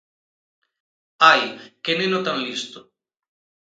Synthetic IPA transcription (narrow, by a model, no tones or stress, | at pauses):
ajkenenot̪aŋlist̪ʊ